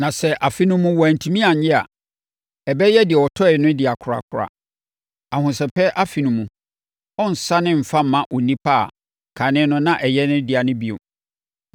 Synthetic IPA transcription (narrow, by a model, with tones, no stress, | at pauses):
nã˨sɛ˦ʔa˨fi˦nʊ̃˦mũ˦wɔ˨æ˨n̩˨tʰĩ˦mĩ˦a˨ɲɪ˦a˨ | ɛ˨bɛ˦jɛ˦dɪ˨ɛ˨ɔ˨tʰɔ˦ɪ˨˦nʊ̃˦dɪ˨a˨kʰʊ˨ɾa̰˨kʰʊ˨ɾa̰˨ | a˨hʊ̃˨sɛ˨pʰɛ˦ʔa˦fi˨nũ˨mũ˨ | ɔ̃˦n̩˨sa˦nɪ̃˦m̩˨fa˦m̩˨mã˦ʔɔ˨nĩ˦pʰa˦˨ | kʰa˨nɪ̃˦nʊ̃˦nã˦ʔɛ˨jɛ˦nʊ̃˦dɪ˨a˨nʊ̃˦bi˨o̰˨